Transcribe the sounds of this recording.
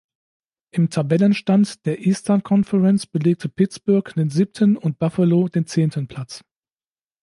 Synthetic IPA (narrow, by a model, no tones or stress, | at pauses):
ʔɪmtʰabɛlənʃtantd̥eːɐʔiːstɐnkʰɔnfɛʁɛnt͡sb̥əleːk̚tʰəpʰɪt͡sb̥ʊɐkd̥eːnzip̚tʰənʊnt̚b̥afəlodeːnt͡seːntənpʰl̥at͡s